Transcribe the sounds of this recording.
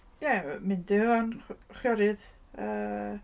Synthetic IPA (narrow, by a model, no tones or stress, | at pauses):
jɛmɨndɪɔnχjɔɾɨð | ə